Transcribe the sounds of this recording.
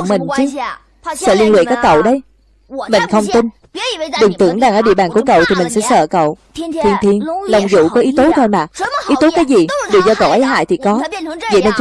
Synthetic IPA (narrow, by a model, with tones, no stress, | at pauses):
ŋ͡mmï˨˩ŋ̟t͡ɕɨ˨˦ | sə̰ː˧˨li˧nlḭ˧˨kaː˦˥kːə̰˧˨wɗə˨˦j | mï˨˩ŋ̟xə˧wŋ͡mt̪i˧n | ɗɨ˨˩ŋt̪ɨ̰˧˥əŋɗaː˧˩ŋəː˧˩ɗḭ˧˨ɓaː˨˩nku˧˩əkə̰˧˨wt̪ʰi˨˩mï˨˩ŋ̟sɛ̰˧˥sə̰ː˧˨kə̰˧˨w | t̪ʰi˧ənt̪ʰi˧ənlə˨˩wŋ͡mzṵ˧˨kɔ˨˦ʔi˨˦t̪o˨˦t̪ʰo˧jmaː˨˩k̚ʔi˨˦t̪o˨˦kaː˨˦jzi˨˩ɗɨ˨˩ək̚zɔ˧kə̰˧˨wʔə˨˦jɦa̰ː˧˨jt̪ʰi˨˩kɔ˨˦və̰˧˨nə˧nt͡ɕ